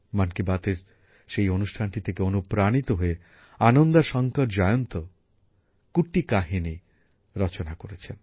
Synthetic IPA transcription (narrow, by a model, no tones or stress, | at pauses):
mankibat̪eɾ | ʃejonuʃʈʰanʈit̪ʰekeonupɾanit̪oɦoe | anond̪aʃɔŋkoʈd͡ʑɔjont̪o | kuʈikaɦini | ɾɔt͡ɕonakoɾet͡ɕʰen